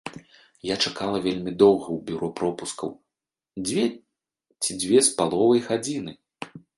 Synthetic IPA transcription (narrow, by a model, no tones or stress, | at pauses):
jat͡ʂakalˠɐvʲelʲmʲid̪ɔwɣɐwbʲuɾɔpɾɔpuskɐ̰w | d͡zʲvʲɛ | t͡sʲid͡zʲvʲɛspalˠɔvɐjɣad͡zʲinɨ